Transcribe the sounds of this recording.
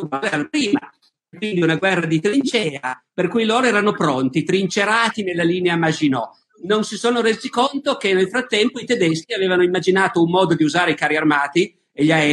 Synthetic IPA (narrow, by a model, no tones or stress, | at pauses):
alɛalapɾiːma | kːwind̪iunaɡwɛrːad̪it̪ɾint͡ʃɛːaperkujloːɾoɛːɾanopɾont̪it̪ɾint͡ʃeɾaːt̪inelːaliːneamad͡ʒinɔ | nonsisoːnoɾeːzikont̪okenːelfɾat̪ːɛmpoit̪ed̪eskiaveːvanoimːad͡ʒinaːt̪oumːɔːd̪od̪iuzaːɾeikaːɾiarmaːt̪i | eʎaɛ